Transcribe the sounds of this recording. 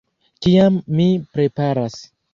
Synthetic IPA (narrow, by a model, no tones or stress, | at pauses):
kiamːipɾe̞paɾas